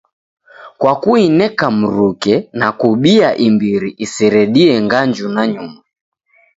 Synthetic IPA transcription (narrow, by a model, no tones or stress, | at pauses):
kwakuinɛkam̩ɾukɛnakuɓiaʔimbiɾiʔisiɾɛɗiɛŋɡaɲd͡ʒunaɲuma